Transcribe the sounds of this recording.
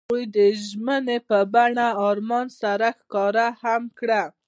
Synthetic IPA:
ujd̪əʒmənepəbaɳaɑɾmɑnsaɾaxkɑɾahamkɽa

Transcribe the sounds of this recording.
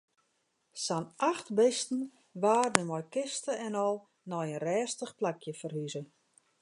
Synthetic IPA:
sanʔaxtbɪstn̩ | ʋaːrdənmɔjkɪstəɛnɔlˠ | nɔjənrɛːstəxplakʰjəfərhyzə

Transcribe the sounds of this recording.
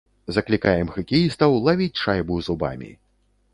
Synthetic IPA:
zɐklʲikajɛmɣɐkʲijist̪ɐwlˠavʲit͡sʲʂajbuzuba̰mʲḭ

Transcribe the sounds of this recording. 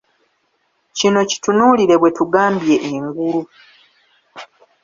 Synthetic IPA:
cino̞ci̥tunuːliɾe̞βwe̞tuɡaːmbje̞ʔeŋɡulu

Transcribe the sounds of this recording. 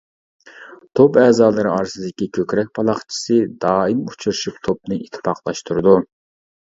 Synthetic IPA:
t̪ʰopɛːzɑːlˠɨɾɨɑɾsɨd̪ɪkʲikʲʰøkʲɾɛk̚ʲpʰɑlˠɑχt͡ʃʰi̥sɨd̪ɑːimut͡ʃʰuɾɨʃypt̪ʰop̚nɨit̪ʰːɪ̥pʰɑqlˠɑʃt̪uɾɨd̪u

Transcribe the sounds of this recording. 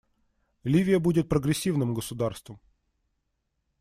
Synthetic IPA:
lʲivʲɪjəbudʲɪt̪̚pɾəɡɾʲɪsʲːivnɨmɡəsʊd̪arst̪vəm

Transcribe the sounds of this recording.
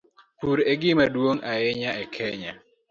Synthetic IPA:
puɾeɡɪmadwoŋajɛɲaɛkʰɛɲa

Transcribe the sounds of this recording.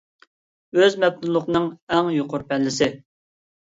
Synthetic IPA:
øzmɛp̚t̪ulˠːʊqnɨŋɛŋjoqʊɾpʰɛlːɪsɪ

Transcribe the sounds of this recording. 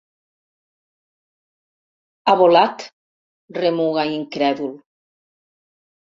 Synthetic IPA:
aβolat̪ | remuɣaiŋkɾɛðul

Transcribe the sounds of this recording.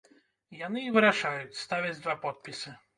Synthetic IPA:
janɨːvɨɾaʂajut͡sʲst̪avʲɛd͡zʲd̪vapɔt̪̚pʲisɨ

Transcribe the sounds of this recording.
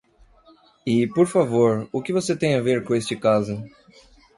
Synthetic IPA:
ɪpoɾfavoɾʊkɪvoset̪ẽj̃aveɾkõest͡ʃɪkazʊ

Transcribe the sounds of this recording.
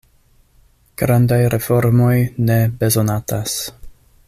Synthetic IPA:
ɡ̥ɾandajɾe̞fo̞ɾmo̞jne̞be̞zo̞natas

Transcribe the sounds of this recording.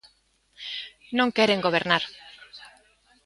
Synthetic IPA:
nõŋkɛɾeŋɡoβeɾnaɾ

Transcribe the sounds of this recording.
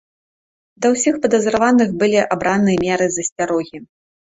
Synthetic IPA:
d̪ɐwsʲixpɐd̪ɐzɾavanɨɣbɨlʲiʔabɾʔanːɨjɛmʲɛɾɨzɐsʲt͡sʲaɾɔɣʲi

